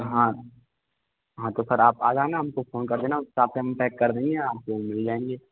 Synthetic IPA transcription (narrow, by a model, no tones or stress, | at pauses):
ɦã | ɦãt̪opʰɪɾaːpaːd͡ʒaːenaɦɐmkofoːnkɐɾd̪eːnaʊsaːp̚keɦɐmʈɛːkːɐɾd̪ẽːŋɡẽaːp̚komɪld͡ʒaːẽːŋɡeː